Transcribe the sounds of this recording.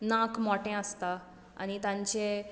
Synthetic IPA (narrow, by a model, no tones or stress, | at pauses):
nãkmɔʈẽəst̪a | a̰ɽ̃it̪ãɲt͡ɕe